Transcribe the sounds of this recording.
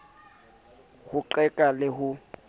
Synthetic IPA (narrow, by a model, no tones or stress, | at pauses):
ɣʊǃɛkʼalɪhʊ